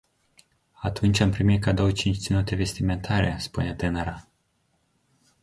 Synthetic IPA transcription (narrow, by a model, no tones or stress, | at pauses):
at̪unt͡ʃʲampɾimit̪̚kad̪o̞wət͡ʃint͡ʃt̪sinut̪e̞ve̞st̪ime̞nt̪ʰaɾespune̞t̪enaɾa